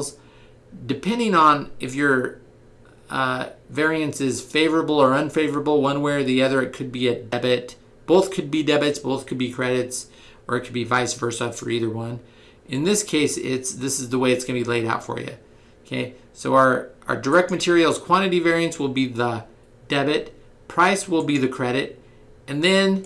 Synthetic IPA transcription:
z | dɨpʰɛ̃ndɪ̃ŋə̃nʔɨfjə˞ | vɛɹiɨ̃nsɪz̥feɪvə˞əbl̩ˠə˞ʌ̃nfeɪvə˞əbl̩ˠwʌ̃nwɛɹə˞ðiʌðə˞ɨt̚kʰɨd̚biɨdɛbɨt̚ | b̥oʊθkʰɨd̚bidɛbɨtsb̥oʊθkʰɨd̚bikʰɹ̥ɛɾɨts | ə˞ɨt̚kʰɨd̚bivaɪsvɜ˞sɑdfə̰˞iðə˞wʌ̃n | ʔɨ̃nðɪskʰeɪsɪ̰tsðɪsɨzðəweɪɨtsɡ̥ʌ̃nɨbileɪɾaʊtfə̰˞jɨ̰ | okʰeɪ | soʊə˞ə̰˞də˞ɛk̚t̚mɨtʰɪɹil̩ˠz̥kʰw̥ɑ̃ɾ̃ɨɾivɛɹiɨ̃nswəlˠbiðə | dɛbɨt̚ | pʰɹ̥aɪswəlˠbiðɨkʰɹ̥ɛɾɨt̚ | ɨ̃nðɨ̃n

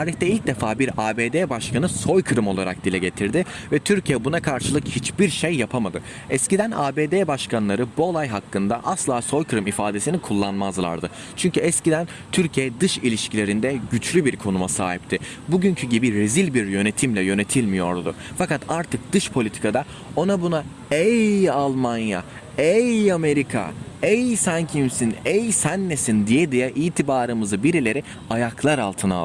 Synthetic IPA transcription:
tʰaːɾiçt̪ɛilʲc̚d̪efaːbiɾaːbeːd̪eːbaʃkʰanɯso̞jkʰɯɾɯmo̞lˠaɾa̰k̚d̪ilʲɛɟe̞t̪ʰiɾd̪ɪvɛt̪ʰyɾcʰijɛbunakʰaɾʃɯlˠɯkhit͡ʃbiɾʃejːapʰamad̪ɯ | ɛscid̪æna̰ːbeːd̪eːbaʃkʰanlˠaɾɯbuolˠajɦakːɯnd̪aʔaslˠaːso̞jkʰɯɾɯmifaːd̪e̞sinikʰulˠːanmazlˠa̰ɾd̪ɯ | t͡ʃʰyɲcyɛscid̪æn | t̪ʰyɾcʰijɛɛd̪ɯʃilʲiʃcʰilʲe̞ɾind̪ɛɟyt͡ʃlʲybiɾkʰo̞numasa̰ːɦipt̪ʰɪ | buɟyɲcʰyɟibiɾezilʲbiɾjø̞ne̞t̪ʰimlʲɛjø̞ne̞t̪ʰilʲmijo̞̰ɾd̪ʊ̰ | fakat̪aɾt̪ʰɯk̚d̪̥ɯʃpʰolʲit̪ʰi̥kʰad̪a | o̞nabuna | ɛjalˠmanja̰ | ejame̞ɾikʰa̰ejsæncʰimsinɛjsænːesind̪ijɛd̪ijɛʔiːt̪ʰibaːɾɯmɯzɯbiɾilʲe̞ɾi | ajaklˠaɾalˠt̪ʰɯna̰lˠ

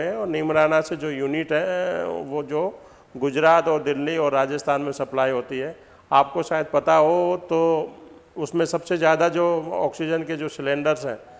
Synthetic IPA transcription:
ɛ̃ɔːɾnɪːmɾaːnased͡ʒoːjuːnɪʈɦɛʋod͡ʒoː | ɡʊd͡ʒɾaːt̪ɔːɾd̪ɪlːiɔːɾːaːd͡ʒəst̪ʰaːnmẽsɐplaːiɦoːt̪iɦɛː | aːp̚koʃaːjəd̪̚pɐt̪aɦot̪o | ʊsmẽsɐbsezjaːd̪ad͡ʒoːɔ̰ːksɪd͡ʒənked͡ʒoːsɪlẽːɳɖəɾzɦɛ̰̃ː

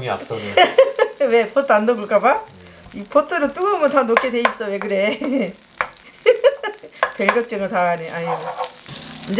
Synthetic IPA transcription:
a̰ | wepʰot̪͈ʰːandoɡɯɭk͈aba | ipʰotʰɯɾɯt͈uɡʌmʌt̪ʰanok͈ʰedeis͈ʌwek̬ɯɾe | peɭɡʌk̚t͡ɕ͈ʌŋɯɭtaɾaneʔaɲine | ɯnd͡ʑ

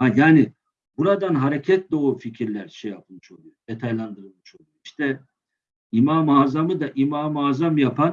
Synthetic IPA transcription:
hajaːni | buɾad̪anɦaɾecʰɛt̪̚d̪o̞uficʰiɾlʲæɾʃeja̰pʰɯlˠmɯʃo̞̰lˠujod̪et̪ʰajlˠand̪ɯɾɯlˠmɯʃo̞lˠujoiʃt̪ʰɛ | imaːmaːzamɯd̪aʔimaːmaːzamjapʰan

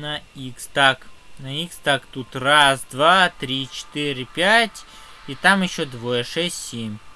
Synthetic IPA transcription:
nɐikst̪ɑknɐikst̪ɑkt̪ut̪rɑsd̪ʋɑt̪ɾʲit͡ʃɪ̥t̪ɪɾʲɪpʲjatʲ | it̪ɑmjɪʃɔd̪ʋɔjɛʂɛsʲtʲsʲimʲ

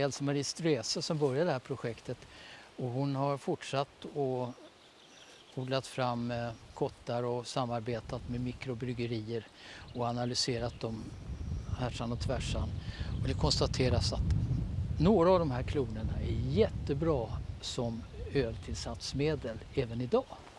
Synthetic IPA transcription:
ɛlsɔmaɾɪst̪ɾeːsəsɔmbœɾjaɖ̪ɛhæːɾpʰɾʊɧɛkt̪ət̪ɔɦʊnhaɾfʊʈʂat̪ːɔ | uːɡ̪lat̪fɾamːkʰɔt̪ːaɾɔsamːaɾbeːt̪at̪mɛmɪkɾʊbɾʏɡəɾiːəɾ | ɔanalʏseːɾat̪̚d̪ɔm | hæʂanɔt̪ʰvæʂanɔd̪ɛkʰɔnst̪at̪ʰeːɾasat̪noːɾaːvd̪ɔmhæːɾkʰluːnəɳaæɾjɛt̪ːəbɾɑːsɔmøːlt̪ʰɪlsat̪smeːd̪əlɛːvənɪd̪ɑː

